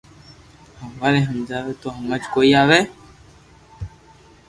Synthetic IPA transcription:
həmʋaːɾeɦəmd͡ʒaːʋet̪oɦɐmːəd͡ʒkoːiaːʋe

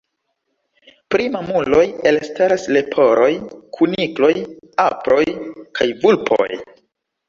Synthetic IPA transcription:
pɾimamulo̞jelstaɾasle̞pʰo̞ɾʔo̞jkʰuniklo̞japɾo̞jkʰajvulpʰo̰j

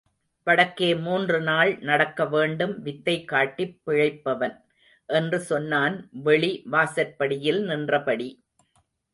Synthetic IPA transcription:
pɐɽɐkːeːmuːndrɯnaːɭnɐɽɐkːɐʋeːɳɖɯmʋɪt̪ːɐɪkːaːʈːipːɪɻɐɪpːɐʋɐn | ʔɛndrɯsɔnːaːnʋɛɭiʋaːsɐɾpɐɽɪjɪlnɪndrɐpɐɽi

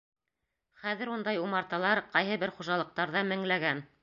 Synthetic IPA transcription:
χæðɘɾund̪ɑjumɑɾt̪ɑlˠɑɾqɑjɦɤbɘɾχuʒɑlˠɤ̆q̚t̪ɑɾðɑmɘ̆ŋlæɡæn

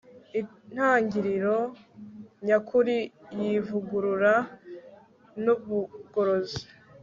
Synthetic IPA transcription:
i | n̥haːɲɟiɾiɾo̞ | ɲakʰuɾijivuɡuɾuɾa | nuβuɡ̥oɾozi̥

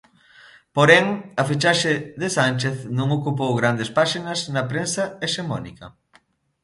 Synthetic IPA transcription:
poɾɛŋɐfit͡ʃaʃeðesant͡ʃeθnõŋokup̬owɣɾand̪espaʃinɐznɐpɾensɐeʃemɔnḭkɐ

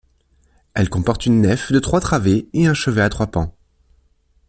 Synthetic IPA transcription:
ɛlkɔ̃pɔʁt̪ynːɛfd̪ət̪χwat̪χaveeɛ̃ʃəvɛat̪χwapɑ̰̃

